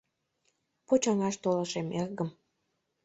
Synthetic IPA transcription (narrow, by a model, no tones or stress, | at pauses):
pot͡ɕɑŋɑʃt̪olə̆ʃemerɣəm